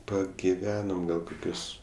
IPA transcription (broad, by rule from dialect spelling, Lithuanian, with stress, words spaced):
pɐɡʲɪˈʋʲæːnoːm ˈɡɐlˠ koːˈkʲʊs